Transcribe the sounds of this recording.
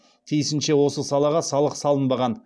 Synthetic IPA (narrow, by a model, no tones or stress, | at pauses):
t̪ʰijsɪnʃe̞wo̞səsɑlˠɑʁɑsɑlˠəqsɑlˠənbɑʁɑn